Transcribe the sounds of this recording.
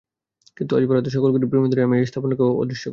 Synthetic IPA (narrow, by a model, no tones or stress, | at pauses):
kint̪ua̰d͡ʑipoɾat̪̬oʃɔkolɡuʈibɾimid̪uɾiamist̪ʰaponakeoo̰d̪ʱiʃːok